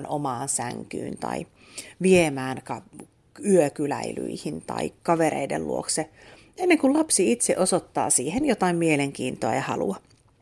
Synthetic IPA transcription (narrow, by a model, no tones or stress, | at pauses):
nomɑːnsæŋky̰ːnt̪ɑ̰i | ʋiemæːnkɑ | yøkylæily̰ihint̪ɑ̰ikkɑʋeɾḛidḛllṵo̰kse | enːeŋkullɑpsiit̪seʔosot̪ːɑ̰ːsiːhenjot̪ɑimmieleŋkiːnt̪oɑjɑhɑ̰lṵɑ